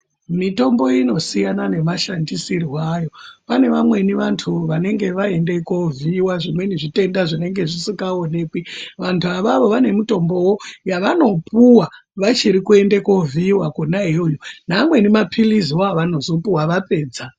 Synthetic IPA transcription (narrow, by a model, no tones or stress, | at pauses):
mito̞mbo̞ino̞sijanane̞maʃandisiriwaːjo̞pane̞ʋamwe̞niʋantʰuʋane̞ŋɡe̞ʋae̞nde̞koviwaʐimwe̞niʐite̞ndaʐine̞ŋɡe̞ʐisikaone̞ːkwiʋantʰuaʋaʋo̞ʋane̞mito̞mbo̞wojaʋano̞pʰuwaʋat͡ʃiɾikue̞ndeko̞vʱiwakonaɦeujunamwe̞nimapʰiliziwoaʋano̞zo̞puwaʋape̞ːd͡za